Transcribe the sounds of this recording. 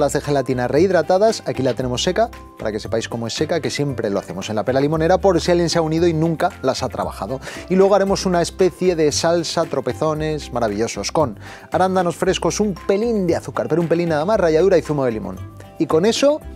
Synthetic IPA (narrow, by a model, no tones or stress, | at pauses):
lazðe̞xelat̪inareiðɾat̪aðasakilat̪e̞ne̞mo̞sːe̞ka | paɾake̞se̞pajsko̞mo̞e̞sːe̞kake̞sje̞mpɾe̞lo̞aθe̞mo̞se̞nlape̞lalimo̞ne̞ɾapo̞ɾsialjenseaunið̞o̞inũŋkalasat̪ɾa̰βa̰xa̰ðo̞ilweɣaɾe̞mo̞sunae̞spe̞θje̞ðe̞salsat̪ɾo̞pe̞θo̞ne̞zmaɾaβ̞iʎo̞so̞sko̞n | aɾand̪ano̞sfɾe̞sko̞sumpe̞lind̪eaθukaɾpe̞ɾumpe̞linːaðamasraʝað̞uɾaiθumoðelimõ̰n | iko̞ne̞so̞